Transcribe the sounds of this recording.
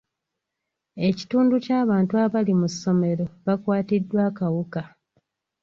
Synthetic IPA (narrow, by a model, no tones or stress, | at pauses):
e̞ci̥tuːnducaːβaːntuaβalimusːo̞me̞ɾo̞βakwaːtidːwaːkawuka